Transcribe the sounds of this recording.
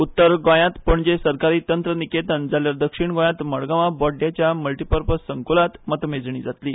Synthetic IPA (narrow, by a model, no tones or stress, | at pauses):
ut̪ːəɾɡɔ̃jãt̪pəɳd͡ʑesəɾkaɾiːt̪ənt̪ɾəniket̪ənd͡zaljaɾd̪əkʂiɳɡõjãt̪məɽɡãʋabɔɖjat͡ɕjaməlʈipəɾpəsəŋkolat̪mət̪med͡zɳ̃ḭːd͡zat̪liː